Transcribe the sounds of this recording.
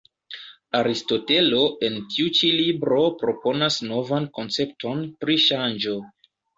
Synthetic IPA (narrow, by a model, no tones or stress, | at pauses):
aɾisto̞te̞lo̞ʔe̞ntiut͡ʃilibɾo̞pɾo̞po̞nasno̞vanko̞nt͡se̞p̚tʰo̞npɾiʃand͡ʒo̞